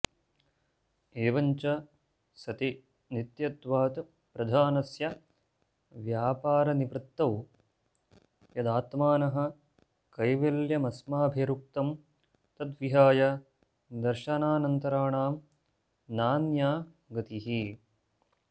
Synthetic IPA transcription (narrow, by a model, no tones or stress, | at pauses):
eːʋɐɲt͡ʃɐ | sɐt̪i | nit̪jɐt̪ʋaːt̪ | pɾɐd̪ʱaːnɐsjɐ | ʋjaːpaːɾɐniʋɾɨt̪ːɐw | jɐd̪aːt̪maːnɐɦɐ̆ | kɐjʋeljɐmɐsmaːbʱeɾuk̚t̪ɐm | t̪ɐt̪ʋiɦaːjɐ | d̪ɐɾʃɐnaːnɐnt̪ɐɾaːɳaːm | naːnjaː | ɡɐt̪iɦi